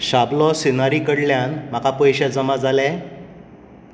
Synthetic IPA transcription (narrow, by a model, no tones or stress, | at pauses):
ɕablɔsinaɾikəɽljanm̤akapəjɕad͡zəmad͡zalɛ